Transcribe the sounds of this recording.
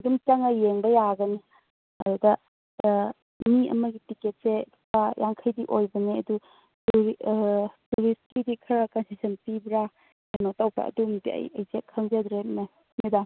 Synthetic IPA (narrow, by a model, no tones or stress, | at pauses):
dumt͡ʃaŋɐjeŋbɐjaɡɐni | ɐdudɐ | miɐ̰mɐɡitiket̚se | pajʔaŋkʰɐjdiʔojbɐneɐ̰du | tuɾiskidikʰɐɾakansisɐnpibɾa | anotawpa̰ʔɐ̰dumibḭɐ̰jɐ̰jzekʰɐŋzɐdɾene | midaŋ